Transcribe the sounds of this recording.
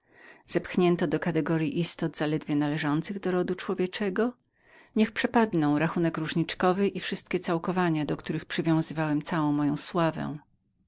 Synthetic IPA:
z̥ɛpxɲɛnt̪ɔd̪ɔkat̪ɛɡɔɾjiʔist̪ɔd̪zalɛd̪vʲjɛnalɛʐɔnt̪sɘɣd̪ɔɾɔd̪ut͡ʂwɔvʲjɛt͡ʂɛɡɔ | ɲɛxpʂɛpad̪nɔ̃w̃ɾaxunɛkɾuʐɲit͡ʂkɔvɘʔifʂɘst̪̚kʲɛt̪sawkɔvaɲad̪ɔkt̪uɾɘxpʂɘvʲjɔ̃w̃zɘvawɛmt̪sawɔ̃w̃mɔjɔ̃w̃swavɛ̰̃

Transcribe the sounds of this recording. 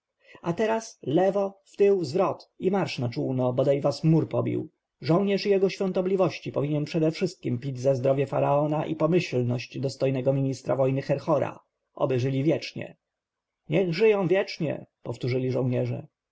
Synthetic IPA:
at̪ɛɾaslɛvɔft̪ɘwzvɾɔt̪imaɾʂnat͡ʂuwnɔbɔd̪ajvasmuɾpɔbʲḭw | ʐɔ̃wɲɛʂijɛɡɔɕfʲjɔ̃nt̪ɔblʲivɔɕt͡ɕipɔvʲiɲɛnpʂɛd̪ɛfʂɘst̪̚kʲimpʲid͡ʑzazd̪ɾɔvʲjɛfaɾaɔnaʔḭpɔmɘɕlnɔɕd͡ʑd̪ɔst̪ɔjnɛɡɔmʲiɲist̪ɾa̰vɔjnɘxɛɾxɔɾa̰ | ʔɔ̰bɘʐɘlʲivʲjɛt͡ʂɲɛ̰ | ɲɛɣʐɘjɔ̃w̃vʲjɛt͡ʂɲɛ̰pɔft̪uʐɘlʲiʐɔ̃w̃ɲɛʐɛ̰

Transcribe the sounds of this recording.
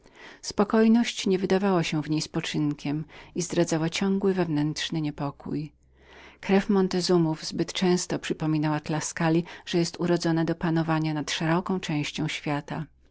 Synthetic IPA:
spɔkɔjnɔɕt͡ɕɲɛvɘd̪avawaɕɛ̃vɲejspɔt͡ʂɘnkʲɛmizd̪ɾad̪zawat͡ɕɔ̃ŋɡwɘvɛvnɛntʂnɘɲɛpɔkṵj | kɾɛfmɔnt̪ɛzumuvzbɘt̪t͡ʂɛ̃w̃st̪ɔpʂɘpɔmʲinawad̪laskalʲiʐ̥ɛjɛst̪uɾɔd̪zɔnad̪ɔpanɔvaɲanat̪ʂɛɾɔkɔ̃w̃t͡ʂɛ̃w̃ɕt͡ɕɔ̃w̃ɕfʲjat̪a

